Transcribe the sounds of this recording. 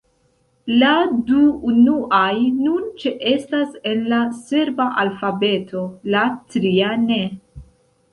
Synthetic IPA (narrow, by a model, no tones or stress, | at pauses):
laduːnuʔajnunt͡ʃeʔe̞stase̞nlase̞ɾbaʔalfabe̞tʰo̞latɾiane̞